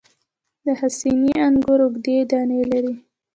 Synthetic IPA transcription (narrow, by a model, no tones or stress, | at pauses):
d̪əhasiniaŋɡʊɾʊɡd̪ed̪ɑnelaɾi